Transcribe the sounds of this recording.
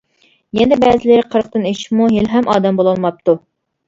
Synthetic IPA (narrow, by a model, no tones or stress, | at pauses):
jɛnd̪ɪbɛːzɪlɪɾqʰəɾq̚t̪ɨniʃmuɦilɦɛmʔɑːd̪ɛmbolˠɑlˠmɑp̚t̪ʰu